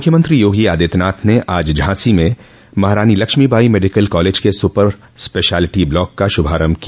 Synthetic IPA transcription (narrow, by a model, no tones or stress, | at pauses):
mʊkʰjəmə̃nt̪ɾijoːɡiaːd̪ɪːt̪naːt̪ʰneʔaːd͡ʒd͡ʒɦaːsimẽ | mɐɦɾaːnilɐkʃmibʱaːimeːɖɪkəlkɔːleːd͡ʒkesʊpəɾ | speːʃaːlɪʈiblɔːkːaʃʊbʱaːɾəmki